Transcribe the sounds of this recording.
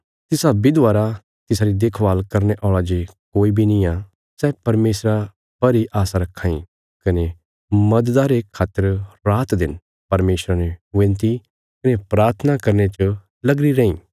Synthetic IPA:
t̪ɪsabid̪ʋaːɾa | t̪ɪsaɾid̪eːkʰʋaːlkɐɾneʔɔːɭad͡ʒekoːibʱinĩa | sɛːpɐɾmeːsɾa | pɐɾiʔaːsaɾɐkʰːaːḭ̃ | kɐne | mɐd̪d̪aɾekʰaːt̪əɾɾaːt̪d̪ɪn | pɐɾmeːsɾaneʋẽːnt̪i | kɐnepɾaːɾt̪ʰənakɐɾnet͡ʃə | lɐɡɾiɾẽːĩː

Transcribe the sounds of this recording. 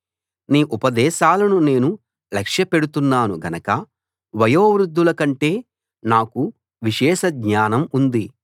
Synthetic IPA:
niːʔupɐd̪ɛːʃaːlɐnune̞ːnu | lɛkʂjɐpe̞ɽut̪unːaːnuɡɐnɐkɐ | ʋɐjoːʋɾud̪ʱːulɐkɐɳʈe̞ː | naːku | ʋiʃɛːʃɐɡɲaːnɐmund̪i

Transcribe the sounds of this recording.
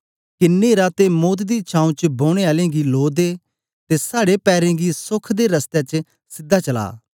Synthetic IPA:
kɪneːɾat̪emoːt̪d̪it͡ʃʰãːũt͡ʃboːɽ̃eaːlẽɡiloːd̪eː | t̪esaːɽepɛːɾẽɡisʊkʰd̪eɾɐst̪et͡ʃ | sɪd̪ːat͡ʃɐla̰ː

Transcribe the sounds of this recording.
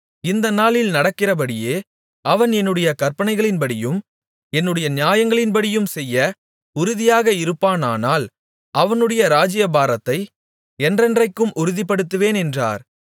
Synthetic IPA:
ɪnd̪ɐnaːlɪlnɐɽɐkːɪrɐbɐɽɪjeː | ɐʋɐnɛnːɯɽɐjɐkɐɾpɐnɐɪɣɐɭɪnbɐɽɪjɯm | ɛnːɯɽɐjɐnɪjaːjɐŋɡɐɭɪnbɐɽɪjɯmsɛjːɐ | ʊɾʊðɪjaːɣɐɪɾɯpːaːnaːnaːl | ɐʋɐnɯɽɐjɐɾaːd͡ʒɪjɐbaːɾɐt̪ːɐɪ | ɛndrɛndrɐɪkːɯmʔʊɾʊðipːɐɽɯt̪ːɯʋeːnɛndra̰ːɾ

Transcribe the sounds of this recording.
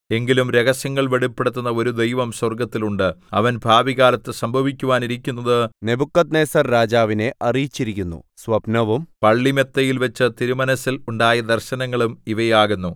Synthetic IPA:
e̞ŋɡilumɾe̞ɣɐsjɐŋːɐɭʋeɽupːeɽut̪ːunːɐo̞ɾud̪ejʋɐmswɐrɡɐt̪ːiluɳɖɨɐʋɐnbʱaːʋiɣaːlɐt̪ːɨsɐmbʱɐʋikʲːuʋaːniɾikʲːunːɐðɨne̞bukːɐt̪ne̞ːsɐrːaːd͡ʑaːʋine̞ʔɐrijit͡ɕːiɾikʲːunːṵsʋɐbnɐʋumpɐɭːime̞t̪ːɐjilʋɐt͡ɕːɨt̪iɾumɐnɐsːiluɳɖaːjɐd̪ɐrɕɐnɐŋːɐɭumiʋɐjaːɣunːu

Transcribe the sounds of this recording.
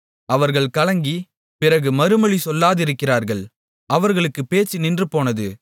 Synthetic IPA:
ʔɐʋɐɾɣɐɭkɐɭɐŋɡi | pɪrɐɣɯmɐɾɯmɐɭisɔlːaːðɪɾɯkːɪraːɾɣɐɭ | ʔɐʋɐɾɣɐɭɯkːɯpeːt͡ʃːinɪndrɯpoːnɐðɯ

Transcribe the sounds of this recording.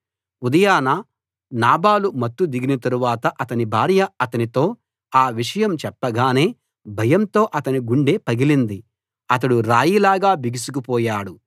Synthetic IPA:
ud̪ɐjaːna | naːbaːlumɐt̪ːud̪iɡinɐt̪ɐɾuʋaːt̪ɐʔɐt̪ɐnibʱaːɾjɐɐt̪ɐnit̪o̞ː | aːʋiʂɐjɐmt͡ʃɛpːɐɡaːne̞ː | bʱɐjɐmt̪o̞ːʔɐt̪ɐniɡuɳɖe̞ːpɐɡilind̪i | ɐt̪̬ɐɽuɾaːjilaːɡaːbiɡisukupɔːjaːɽu

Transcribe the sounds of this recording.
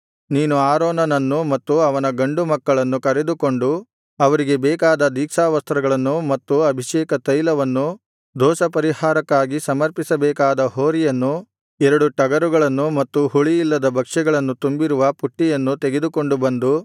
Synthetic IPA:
niːnuaːɾoːnɐnɐnːumɐt̪ːuɐʋɐnɐɡɐɳɖumɐkːɐɭɐnːukɐɾed̪uko̞ɳɖu | ɐʋɐɾiɡe̞bɛːkaːd̪ɐd̪iːkʂaːʋɐst̪ɾɐɡɐɭɐnːumɐt̪ːuɐbʱiʃɛːkɐt̪ɐjlɐʋɐnːu | d̪ʱɔːsɐpɐɾihaːɾɐkːaːɡisɐmɐɾpisɐbɛːkaːd̪ɐɦoːɾijɐnːu | ɛɾɐɽuʈɐɡɐɾuɡɐɭɐnːumɐt̪ːuhuɭijilːɐd̪ɐbʱɐkʂɛɡɐɭɐnːut̪umbiɾuʋɐpuʈːijɐnːut̪eɡe̞d̪uko̞ɳɖubɐnd̪u

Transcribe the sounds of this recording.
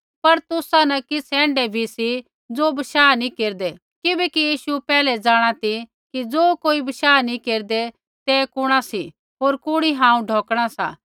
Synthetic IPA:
pɐɾt̪ʊsãnɐkɪsʰɛ̃ːɳɖebʱisi | d͡zoːbɐʃaːnĩkeːɾd̪e | kɪbɛkijiːʃupɛːlɛd͡zaːɽ̃at̪ʰi | kid͡zoːkoːibɐʃaːnĩkeːɾd̪e | t̪ekʊɽ̃asi | ɦoːɾkʊɽ̃iɦãːũɖʱoːkɽ̃asa̰ː

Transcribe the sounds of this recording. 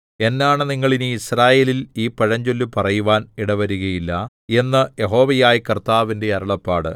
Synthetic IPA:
e̞nːaːɳɨniŋːɐɭinɨisraːje̞ːliliːpɐɻɐɲd͡ʑolːupɐrɐjuʋaːniɽɐʋɐɾuɣɐjilːɐ | e̞nːɐje̞ɦo̞ːʋɐjaːjikɐrt̪aːʋinde̞ɐɾɐɭɐpːaːɽɨ̰

